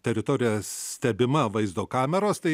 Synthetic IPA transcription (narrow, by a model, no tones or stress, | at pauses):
t̪ʲɛɾʲɪt̪oːɾʲɪjɛsssʲt̪ʲɛbʲɪmɐʋɐɪzd̪oːkɑːmʲɛɾoːst̪ɐɪ